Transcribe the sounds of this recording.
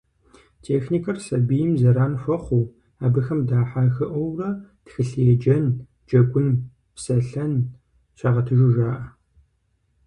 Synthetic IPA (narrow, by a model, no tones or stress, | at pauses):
tʰeːxniːkʰɐrsɐbijɪmzɐɾaːnfʷɔχʷuː | aːbɨxɐmdaːħaːxɨʔʷɔwrɐtxɨɬjɛd͡ʒɐn | d͡ʒɐɡʷʊn | psɐɬɐn | ɕʰʷaːʁɐtʰɨʒɪʒaːʔɐ